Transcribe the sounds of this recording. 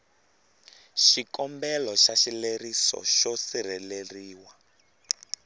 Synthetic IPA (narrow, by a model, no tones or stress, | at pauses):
ʃikɔmbɛlɔʃaʃilerisɔ̰ʃɔsir̤ɛleriːwa